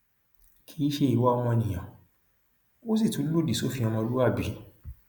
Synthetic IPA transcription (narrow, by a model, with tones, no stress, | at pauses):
kʰi˨˦ʃe˧i˧˦wa˦ɔ˧w̃ɔ̃˧nĩ˨j̃ã˨ | o˦s̬i˦˨tũ˨˦lo˦˨di˨so˦fĩ˧ɔ̃˧mɔ̃˧lu˦a˦˨bi˨˦